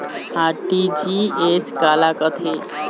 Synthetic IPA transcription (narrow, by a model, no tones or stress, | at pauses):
aɾʈid͡ʑiesɡalakət̪ʰe